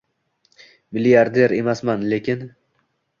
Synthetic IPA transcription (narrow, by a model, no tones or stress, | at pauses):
mɪlijaɾd̪eɾe̞masmanle̞kʲɪn